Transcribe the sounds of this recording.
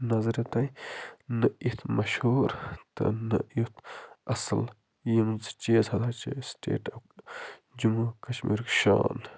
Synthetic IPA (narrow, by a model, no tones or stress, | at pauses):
nɐzɐɾit̪ɐjnɐit̪ʰmɐʃhuːɾt̪ɨ̰nɐ̰ut̪ʰʔɐsɐl | jimzt͡ʃeːzɐd̪aːt͡ʃḛsʈḛːʈɐw | d͡ʒumukɐt͡ʃʰmḭːɾkʃa̰ːn